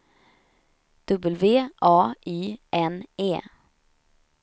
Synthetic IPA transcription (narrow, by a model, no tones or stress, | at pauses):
d̪̥ɵbəlveːʔɑːʔiːʔɛneː